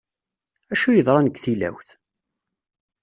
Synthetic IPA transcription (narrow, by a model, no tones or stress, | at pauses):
æʃujəðˤɾˤɑnəɡθilæ̰wθ